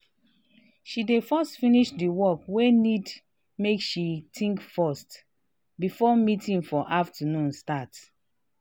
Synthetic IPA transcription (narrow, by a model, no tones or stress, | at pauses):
ʃidefɔstfĩniʃdiwɔkwenid | mekʃitʰĩŋkfɔst | bifɔmitĩŋfɔʔaftənũnstat